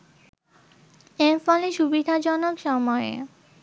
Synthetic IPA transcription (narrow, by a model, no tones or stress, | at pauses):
eɾfɔleʃubid̪ʱad͡ʑɔnokʃɔmɔeḛ